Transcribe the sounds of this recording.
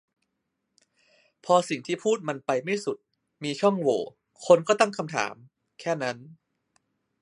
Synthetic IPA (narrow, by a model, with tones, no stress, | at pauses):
pʰɔː˧si˨˩ŋt̪ʰiː˥˩pʰuː˥˩t̪̚ma˧npa˧jma˥˩jsu˨˩t̪̚ | miː˧t͡ɕʰɔ˥˩ŋwoː˨˩˦ | kʰo˧nkɔː˥˩t̪a˥˩ŋkʰa˧mt̪ʰa̰ː˩˦m | kʰɛː˥˩na˦˥n